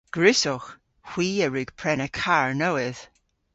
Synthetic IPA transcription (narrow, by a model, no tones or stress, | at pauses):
ɡ̥ɹɪsɔx | hw̥iːəɹʉɡ̥pʰɹ̥ɛnəkʰaɹnowɪð̥